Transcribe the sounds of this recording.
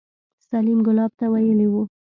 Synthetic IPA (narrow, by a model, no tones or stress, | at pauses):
salimɡʊlɑb̚t̪awajəliwu